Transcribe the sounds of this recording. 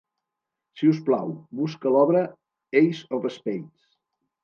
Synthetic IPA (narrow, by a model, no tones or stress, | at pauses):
sius̬pla̰wbuskəlɔβɾə | ejzɔfəspejt̪s